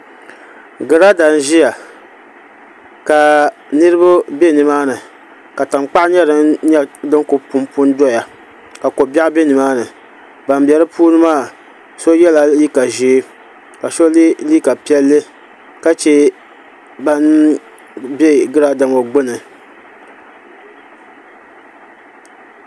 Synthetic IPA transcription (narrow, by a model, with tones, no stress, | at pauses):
ɡɨ˨ɾa˦da˨n˦ʒi˦ja˨ | ka˨ | nɨ˦ɾɨ˦bʊ˦be˦nɨ˨maː˦nɨ˨ | ka˨ta˨ŋ͡mk͡pa˦ʔɲɛ˦dɨ˦nɲɛ˦dɨ˦ŋkʊ˨pu˦mpu˦n˦dɔ˦ja˨ | ka˨ko˨ba˦be˦nɨ˨maː˦nɨ˨ | ba˨mbʲɛ˨ɾɨ˦pʰuː˦nɨ˦maː˦˨ | so˦jɛ˦la˨li˦ka˨ʒeː˨˦ | ka˨ʃo˦li˦liː˦ka˨pi˦ɛ˦lːɨ˦ | ka˦t͡ʃɛ˦ | ba˦n | be˦ɡɨ˦ɾa˦da˨mo˨ɡ͡bɨ˦nɨ˨